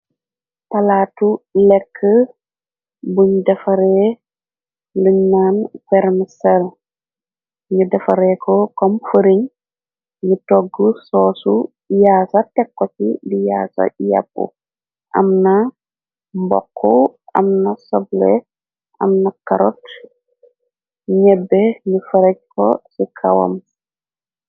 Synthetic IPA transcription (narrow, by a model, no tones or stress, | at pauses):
palaːtulɛkʰːə | buɲdɐfaɾɛ | ləɲːanfɛɾmisɛl | ɲidafaɾɛkʰɔkɔmfəɾiɲ | ɲətɔɡːəsɔsu | jaːsatɛkːɔt͡ʃidijaːsa̰ja̰bːṵ | ʔamna | mbɔ̰kʰːɔʔamnasɔblɛ | ʔamnakaɾɔt | ɲɛbːɛɲufaɾɛc̚kɔ̰sikʰawa̰m